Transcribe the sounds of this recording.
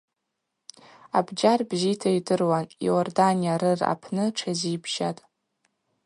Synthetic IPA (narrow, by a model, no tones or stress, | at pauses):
abd͡ʒarbzitʰaidɨrwanj̰ordanijaɾɨra̰pʰnɨʈ͡ʂʰazibʰʒatʼ